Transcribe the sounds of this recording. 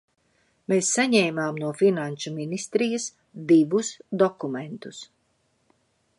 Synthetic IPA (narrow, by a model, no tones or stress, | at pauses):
meːsːaɲɛːmaːmnuɔfinanʃuminist̪ɾijɐs | d̪ivusd̪ɔkument̪us